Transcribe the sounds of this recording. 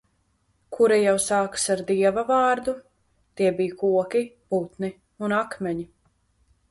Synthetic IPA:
kʰuɾajawsaːksaɾd̪iɛvavaːɾd̪u | t̪iɛbijkuɔkʲiput̪ni | unakmɛɲi

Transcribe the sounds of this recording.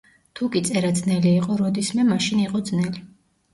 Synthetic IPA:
t̪ʰukʼit̪sʼɛɾad̪znɛliːqʼɔɾɔd̪ismɛmaʃiniqʼɔd̪znɛli

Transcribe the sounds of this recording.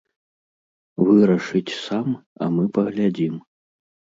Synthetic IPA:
vɨɾɐʂɨt͡sʲsamɐ̰mɨpɐɣlʲad͡zʲim

